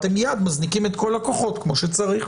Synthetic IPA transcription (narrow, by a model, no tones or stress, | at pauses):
t̪e̞mjad̪maznikimet̪ko̞lakoχo̞t̪kmo̞ʃet͡saʁiχ